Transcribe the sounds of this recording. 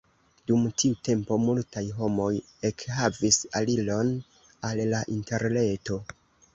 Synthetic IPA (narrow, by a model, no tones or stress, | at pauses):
dumtʰiute̞mpo̞multajɦo̞mo̞j | e̞khavisalilo̞n | alːaʔinte̞ɾle̞to̞